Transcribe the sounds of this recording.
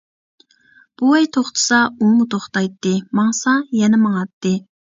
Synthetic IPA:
b̥uɛjt̪ʰoχt̪ʰɨ̥sɑumut̪ʰoχt̪ɑjt̪ːɨmɑŋsɑjɛnɛmɑŋɑt̪ːɨ

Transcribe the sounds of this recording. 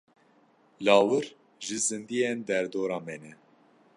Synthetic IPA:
lɑːwɨɾ | ʒɨzɨnd̪ijɛnd̪ɛɾd̪oːɾɑːmɛnɛ

